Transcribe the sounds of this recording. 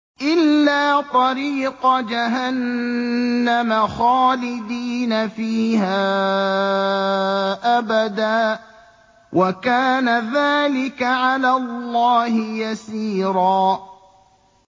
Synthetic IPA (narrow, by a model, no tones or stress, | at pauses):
ʔɪlːaːt̪ˤɑɾiːqɑd͡ʒaɦanː | amaxaːlɪd̪iːnafiːhaː | ʔabad̪aː | wʔakaːnaðaːlɪkaʕalaːlːɑːhɪjasiːɾɑː